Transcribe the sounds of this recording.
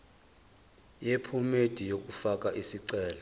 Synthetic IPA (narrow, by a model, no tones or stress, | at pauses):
jepʰumed̥ʱijok̬ʼufak̬ʼaʔisiǀɛːla